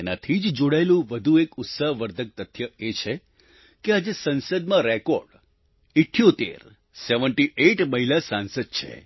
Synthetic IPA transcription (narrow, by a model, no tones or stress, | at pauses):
enat̪ʰid͡ʒd͡ʒoɽaelũʋəd̪ʱuekʊt̪saɦʋəɾd̪ʱək̚t̪ət̪ʰjəet͡ʃʰe | kead͡ʒesənsəd̪mãɾɛkoɾɖ | iʈʰːijot̪ḛɾ | seʋəɳʈiʔeʈməɦilasansəd̪̚t͡ʃʰḛ